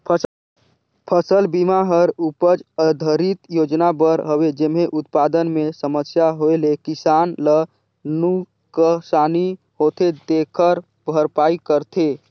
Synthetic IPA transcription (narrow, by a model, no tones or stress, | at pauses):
pʰ | pʰəsəlbimaɦəɾupəd͡ʒəd̪ʱəɾit̪joːd͡ʒnabəɾɦəwed͡ʒemeʔʊt̪paːd̪ənmẽsəməsjaɦoelekɪsaːnlə | nu | kəsaːni | hoːt̪ʰed̪ekʰəɾ | bʱəɾpaːikəɾt̪ʰe